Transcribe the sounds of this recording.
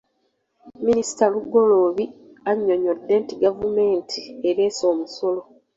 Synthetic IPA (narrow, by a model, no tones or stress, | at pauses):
minisi̥taluɡːo̞lo̞ːβi | aɲːo̞ɲodːe̞ːntiɡavume̞ːntʰieɾeːso̞ːmuso̞lo̞